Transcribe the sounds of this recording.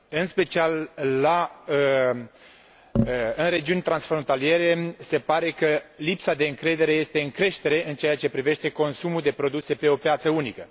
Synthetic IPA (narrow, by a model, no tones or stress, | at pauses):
ɨnspe̞t͡ʃialːaə | ɨnɾe̞d͡ʒiunʲt̪ɾansfɾo̞nt̪alije̞ɾe̞se̞paɾe̞kəlipsad̪e̞ɨŋkɾe̞d̪e̞ɾe̞je̞st̪e̞ɨŋkɾe̞ʃt̪e̞ɾe̞ʔɨnt͡ʃeat͡ʃe̞pɾive̞ʃt̪e̞ko̞nsumuld̪e̞pɾo̞d̪use̞pe̞o̞pjat̪səunikə